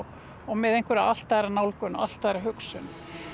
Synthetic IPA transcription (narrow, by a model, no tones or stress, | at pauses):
ɔɣmɛðejŋkvɛɾaal̥t̪aɾanawlkʏnʔa̰l̥t̪aɾaɦʏksʏn